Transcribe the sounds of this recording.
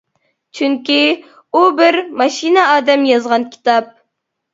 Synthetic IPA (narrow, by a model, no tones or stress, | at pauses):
t͡ʃʰyŋkʲi | ubɪɾmɑʃinəɑːd̪ɛmjɑzʁɑnkʲʰi̥t̪ɑp̚